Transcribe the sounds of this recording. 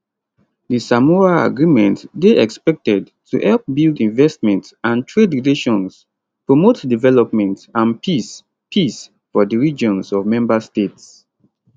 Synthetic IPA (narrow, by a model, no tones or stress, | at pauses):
disamɔɹaa̰ɡɹimɛ̃ntdeʔɛkspɛk̚tɛd | tʰuʔɛlp̚bildĩnvɛstmɛ̃ntsãntʰɹedɹileʃɔ̃ns | pɹomotdivɛlɔp̚mɛ̃ntãnpʰis | pʰis | fɔdəɹid͡ʒɔ̃nsɔvmɛ̃mbastets